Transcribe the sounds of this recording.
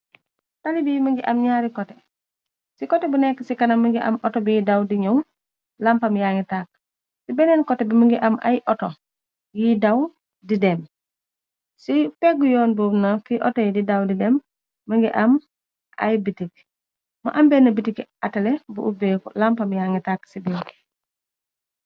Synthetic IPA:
talibijmɐŋɡiʔɐmɲaːɾikɔtɛ | sikɔtɛbunɛkːəsikɐnɐmɐŋɡiʔɐ̰mʔɔtɔbijidawdiɲɐw | lampɐmjaːŋɡitaːk̚ | sibɛnɛnkɔtɛbiməŋɡiʔɐma̰jʔɔtɔ | jidaw | didɛm | sipɛɡujɔːnboːmnafiʔɔtɔjdidawdidɛmː | əŋɡiʔɐm | ʔa̰jbitik̚ | mɐ̰ʔɐmbɛnɐbitikɐtɐlɛbuʔubɛːkɔlampɐmjaːŋɡitaksibɛːnk

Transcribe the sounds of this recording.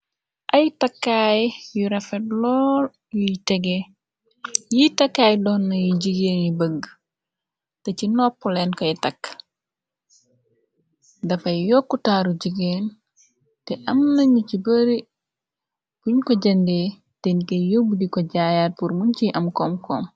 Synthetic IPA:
ʔɐjtɐkːaːjjuɾɐfɛtlɔːl | jitɛɡɛ | jitɐkːaːjdɔːnːɐjuɟiɡeːnjibəɡ | tɐcinɔpːɔlɛnkɔjtɐkː | dɐfɐjjɔkːutaːɾuɟiɡeːn | tɛʔɐmnɐɲucibɐɾi | b̥uɲkɔɟɐndeː | tɛnikɐjjobudikɔɟaːjaːt̚puɾmuɲciʔɐmkɔmkɔːm

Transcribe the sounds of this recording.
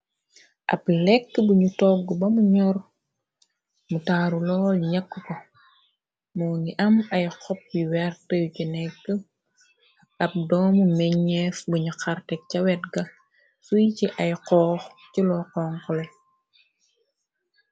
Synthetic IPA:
ʔɐ̰plɛkːəbuɲutɔɡːɔbɐmuɲɔr | mutaːɾulɔːlɲɐkːəkɔ | mɔːniʔɐmɐjqɔp̚biwɛrtəjucinɛkːə | ɐp̚dɔːmumɛɲɛfbuɲuxartɛk̚cɐwɛtɡɐ | sujciʔɐjqɔːx | cilɔqɔːŋkɔlɛ

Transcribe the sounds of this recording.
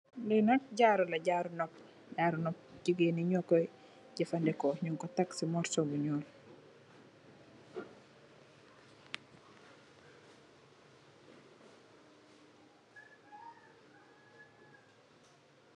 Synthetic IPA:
linak̚ɟaːɾulɐɟaɾunɔp̚ | ɟaːɾunɔp̚ɟiɡeniɲɔkɔj | ɟifandɛkɔɲuŋkɔtaksimɔɾsobuɲɔːl

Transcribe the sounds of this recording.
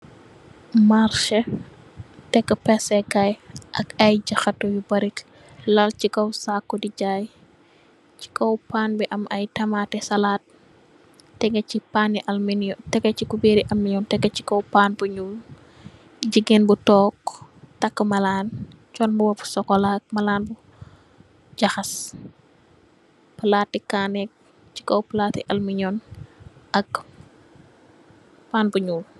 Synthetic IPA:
maɾʃɐ | tɛkːəpɛsɛkɐjʔɐkɐjɟɐxɐtːɔjubɐɾik | lɐlt͡ʃikɔwsakːɔdiɟaːj | t͡ʃi̥kɔwpaːnbiʔɐmɐjtɐmatɛsɐlaːt̚ː | ɛɡɐcipaniʔɐlminjtɛɡɐt͡ʃikubeɾiʔɐlmːiɲɔntɛɡɐt͡ʃi̥kɔwpaːnbuɲul | ɟəɡenbutɔːktɐkːəmɐlaːn | t͡ʃɔnbuwɐfu̥sɔkːɔlak̚mɐlaːnbu | ɟɐxɐs | pɐlaːtːikaːnɛk̚ | t͡ʃi̥kɔwplaːtiʔɐlmiɲɔnʔɐk | paːnbuɲuːl

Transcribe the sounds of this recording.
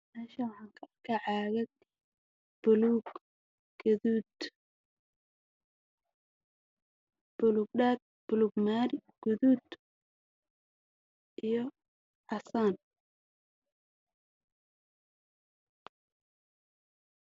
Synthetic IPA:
mɛːʃɐwɑħɑːŋkʰɐkʰɐʕɑːɣɐ | b̥ʊluːɡ | ɡ̥ɐðuːd̪ | b̥ʊluːɡ̚ɖaːd̪̚b̥ʊluːɡmaːɾɪɡ̥ʊðuːd̪ | ʔijɞ | ʕɑsaːn

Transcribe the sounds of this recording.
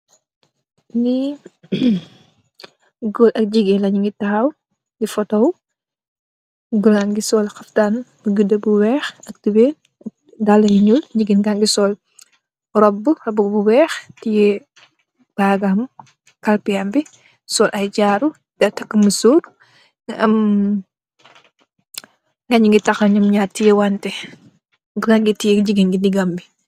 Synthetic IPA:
ni | ɡɔlɐk̚d͡ʒiɡɛlɐɲiŋɡitɐɐw | nifɔtɔw | ɡulaŋɡisɔːlxɐftanbuɡudɐbuwɛːxɐk̚tibeːn | ɐ | dalːɐjiɲulɲiɡinɡaŋɡisɔːl | ɾɔbːurɔbɐbuwɛːxtijɛ | b̥aːɡam | kɐlpijambi | sɔːlʔɐjd͡ʒaɾu | dɛtɐkːəməsuːɾ | ʔɐm | ŋɡɐɲiŋɡitɐxɐɲɐmɲatːijɛwantɛ | ɡulaŋɡitijɛd͡ʒiɡinɡidiɡambi

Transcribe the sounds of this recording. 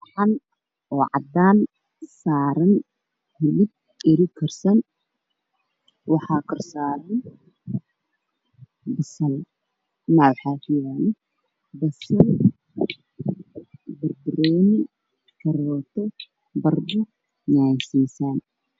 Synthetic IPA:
ħɑn | ɔːʕɑ̰d̪aːn | saːɾɐn | hɪlɪb̚ | ɪɾɪkʰɐrsɐn | wɑħɑːkʰɐrsaːɾɛ | bɐsɐl | nawħaːfijanɛ | bɐsɐl | bɐrbɪɾɛːnɪ | kʰɐɾɔːt̪ʰɛ | bɐrbʊ | ɲaːnsiːsaːn

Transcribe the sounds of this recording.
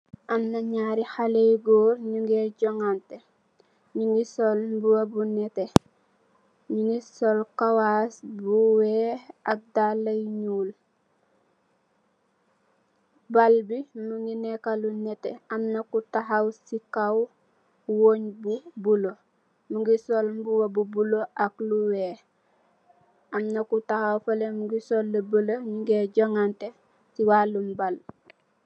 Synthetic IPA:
ʔamnaɲaːɾihalejɡoːɾɲuŋɡeɟoŋante | ɲuŋɡisolbuwabunɛte | ɲuŋɡisolkawasbuweak̚dalːɐjɲuːl | balbimuŋɡinekalunetḛamnakutaɦawsikaw | woɲbubulo | muŋɡisolmbuwabubuloʔakluweː | amnakutahawfalemuɡisolːəbəloɲiŋɡeɟoŋante | siwalumbal

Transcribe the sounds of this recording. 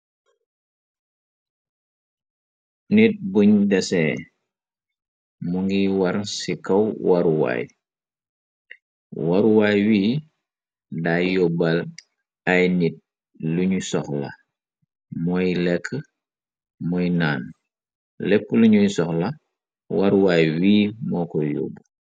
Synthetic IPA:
nit̚buɲdɛsɛ | muŋɡiwɐɾnsikɐwwaɾuwa̰j | waɾuwajwiː | dajobɐl | ajnit̚ | luɲusɔxlɐ̰ | mɔjlɛkʰːə | mɔjnaːn | lɛpːəluɲujsɔxlɐ | waɾuwajwiːmɔːkɔjo̰b

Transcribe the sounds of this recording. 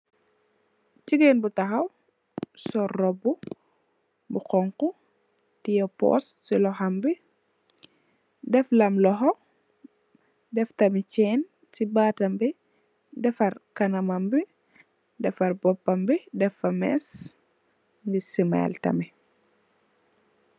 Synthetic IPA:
ciɡɛnbutɐxɐw | sɔrɔbːu | buqɔŋku | tijɔpɔ̰stsilɔhɐmbi | dɛflɐmlɔɦɔ | dɛftɐmit͡ʃɛːn | tibaːtɐmbi | dɛfɐrkɐnɐmɐmbi | dɛfɐrbɔpːɐmbidɛfɐmɛ̰s | ɡisima̰ltɐ̰mi

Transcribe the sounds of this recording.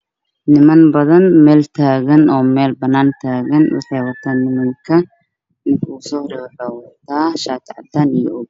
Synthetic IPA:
nɪmɐnbɐðɐnmɛːlt̪ʰaːɣɐnɔːmɛːlbɐnaːnt̪ʰaːɣɐnʊ̰ħɛːwɐt̪ʰɐnɪmɐŋkʰɐ | ɪnkuːsɔːɾɛɐlɐwɐt̪aːʃaːt̪ʰʕɑ̰d̪anɪjɔʔʊɡ

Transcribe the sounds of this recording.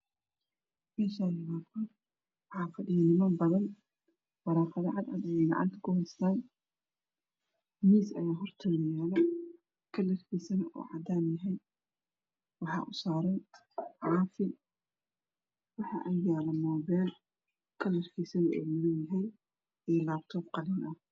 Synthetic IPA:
mɛːʃaːjɪβaːd̪kʰɐ | wɑħaːfɐɗɪjɐnɪmaːmbɐðɐn | wɐɾaːfɐðɐʕad̪ad̪ɐjɛɡɑ̰ʕa̰nt̪ʰɐ̥kʊhɛjst̪aːn | miːsɐjaːɦɔrt̪ʰɔnɪjaːðɐ | kʰɐlɐrkʰijsɐnʔṵːʕɑ̰d̪aːnjɐɦɛj | wɑħɑ̰ːʔʊsaːɾɛn | ʕɑːfɪ | wɑħɑ̰ʔɐnjaːlɐmɔːβɛːl | kʰɐlɐrkʰɛsɐnʔɛ̰ːmɐlɛjɐɦɛj | ɛːlaːb̚t̪ʰɔːbqɑlɪnʔɐh

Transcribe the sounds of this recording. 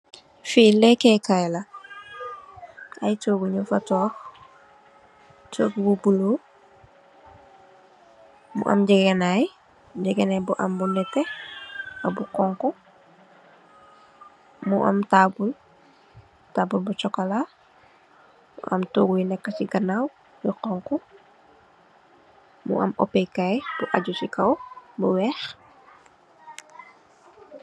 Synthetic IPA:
filɛkɛkajla | ʔa̰jtoɡuɲufatɔːx | t͡ʃoɡbubulo | mṵʔa̰mɟɛɡenaj | ɟɛɡenajbuʔa̰mbunɛtːe | ɐbukɔŋkɔ | muʔa̰mtabul | tabulbut͡ʃɔkala | mṵʔamtoɡuinɛkːasiɡənaw | jəqɔŋku | mṵʔa̰mopekajb̥uʔaɟusikawbuwɛx

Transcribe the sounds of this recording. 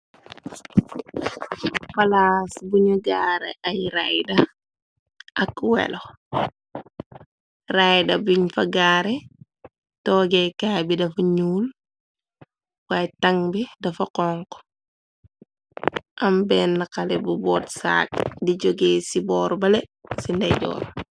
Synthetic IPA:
fɐlasbuɲuɡaːɾḛʔɐjɾajdɐ | ʔɐkwɛ̰lo | rajdɐbiɲfɐɡaːɾe | tɔːɡekaːbidɐfuɲuːl | wajtɐŋbidɐfɐqɔŋko̥ | ʔɐmbɛːnːakalebubɔːtsa̰ːk̚diɟoɡeːsibɔːɾbɐlesindɐjɟɔ̰ːɾ

